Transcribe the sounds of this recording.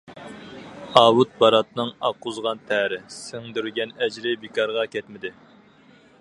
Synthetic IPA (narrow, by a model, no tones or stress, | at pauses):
ɑːwut̪̚bɑɾɑt̪nɨŋɑqːʊzʁɑnt̪ʰɛɾɪsɪŋd̪yɾɡʲɛnɛd͡ʒɾɪbikɑɾʁɑkʲɛt̪mɪd̪ɪ